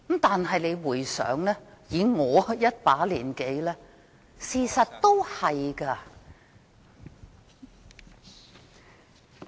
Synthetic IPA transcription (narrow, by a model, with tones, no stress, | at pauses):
m̩˨˥t̪aː˨nɦɐ˨jle˨˧jwuː˨˩jsœ̰ː˨˥ŋlɛː˥jiː˨˧ŋɔː˨˧jɐ˥t̚paː˨˥liː˨˩nke˨˧˥jlɛː˥ | siː˨˧sɐ˨t̚t̪o˥whɐ˨jkɐː˧